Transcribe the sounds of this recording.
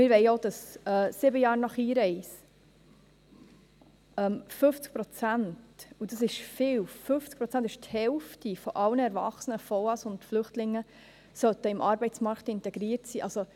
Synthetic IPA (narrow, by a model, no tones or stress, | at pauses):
mɪɾʋɛɪoʊd̥ɑsɛːsɪbəjɑːɾnɑχiːɾɛɪs | ɛmfʏft͡sk̚pɾɔt͡sæntudɑsɪʃfɪːwfʏft͡skpɾɔtt͡sænt̪ɪʃthɛʊftifɔʔɑlnəɛɾvɑ̰χsənəfɔwɑsʊndflʏχtlɪŋːə | sœt̪əɪmʔɑːɾbɛɪt͡smɑɾktɪntɛɡ̥ɾiːəɾtsiːʔɑlso